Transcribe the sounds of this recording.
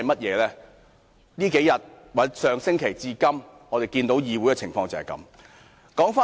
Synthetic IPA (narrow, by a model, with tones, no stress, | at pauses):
ɐ˨jmɐ˥t̚jɛː˨˧lɛː˥ | niː˥ke˨˥jɐ˨t̚ | wɐ˨˥sœː˨˧ŋsɪ˥ŋkʰe˨˩jt͡siː˧kɐ˥m | ŋɔː˨˧t̪e˨jkiː˧nt̪o˨˥wjiː˨˧wu˨˥jkɛ˧t͡sʰɪ˨˩ŋfɔː˧ŋt͡sɐ˨ɐ˨jkɐ̰˧˥m | kɔː˨˥ŋfaː˥